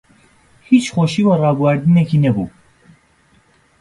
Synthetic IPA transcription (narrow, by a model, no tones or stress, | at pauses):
hiːt͡ʃxoʃiːwarɑːbuwæɾd̪ɨnɛkiːnɛbṵː